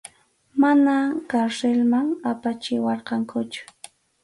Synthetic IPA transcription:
manakaɾselmaŋapat͡ʃɪwɑɾqɑŋkʰʊt͡ʃʊ̥

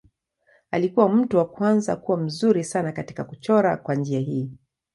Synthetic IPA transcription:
alikuwam̩tuwakwanza̰kuwam̩zuɾisanakati̥kakut͡ʃɔɾa̰kwand͡ʒiaɦiː

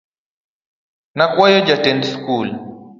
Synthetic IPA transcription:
nakwajɔd͡ʒatɛnskul

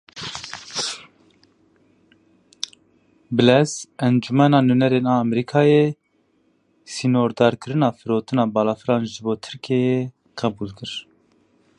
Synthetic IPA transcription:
bɨlɛzɛnd͡ʒumɛnɑːnunɛɾeːnɑːɛmɛɾikʰɑːje | sinoːɾd̪ɑːɾkʰɨɾɨnɑːfɨɾoːt̪ɨnɑːbɑːlɑːfɨɾɑːnʒɨboːt̪ʰɨ̥ɾkʰeːje | qɛbuːlkʰɨɾ

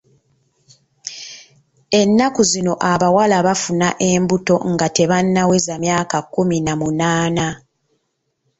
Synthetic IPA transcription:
e̞nːakuzino̞ʔaβawalaβafunaʔe̞ːmbuto̞̰ŋɡate̞βanːawe̞zamjaːkakːuminamunaːna

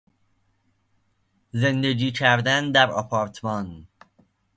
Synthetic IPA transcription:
ze̞nd̪e̞ɡiːcʰæɾd̪ænd̪æɾɒpʰɒːɾt̪ʰmɒn

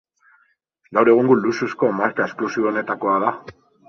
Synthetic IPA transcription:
ɡawɾe̞ɣ̞uŋɡulususko̞maɾkae̞sklusioːne̞t̪ako̞aða

